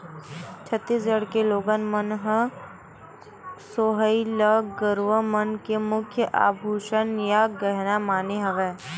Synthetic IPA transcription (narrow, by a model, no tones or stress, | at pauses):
t͡ʃʰət̪ːiːs̬d͡ʒəɽkeloːɡənmənɦə | soːɦəiləɡəɾʋəmənkemʊkʰjəʔa̰ːbʱuːʃənjaɡəɦnamaːneɦɐʋɛː